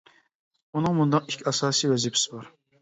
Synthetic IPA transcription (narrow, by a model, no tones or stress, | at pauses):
unɨŋmund̪ɑikʲʰɑsɑːsijwɛzɪpʰɪ̥sɪbɑɾ